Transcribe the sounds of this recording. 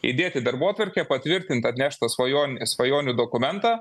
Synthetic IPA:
ḭd̪ʲeːt̪ʲɪd̪ɐɾbuɔːt̪ʋɐɾʲkʲɛpɐt̪ʲʋʲɪɾʲt̪ʲɪnt̪ɐt̪ʲnʲæːʃt̪ɐsʋɐjoːnʲsʋɐjoːnʲud̪oːkʊmʲɛnt̪ɑː

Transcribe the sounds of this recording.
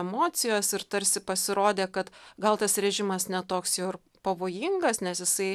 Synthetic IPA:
ɛmoːt̪sʲɪjoːsɪɾt̪ɐɾʲsʲɪpɐsʲɪɾoːd̪ʲeːkɐt̪ɡɐlˠt̪ɐsɾʲɛʒʲɪmɐsnʲɛt̪oːksjɛʊɪr | pɐʋoːjɪŋɡɐsnʲɛsjɪsɐɪ

